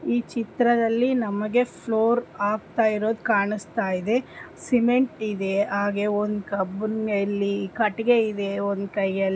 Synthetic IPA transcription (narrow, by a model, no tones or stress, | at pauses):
iːt͡ʃit̪ɾɐd̪ɐlːinɐmɐɡe̞pʰloːɾaːɡ̚t̪aːjiɾo̞ːd̪ukaːɳust̪aːjid̪e̞ | simeɳʈid̪e̞aːɡeond̪ukɐbnɐlːikɐʈiɡe̞id̪e̞ond̪ukɐjɡ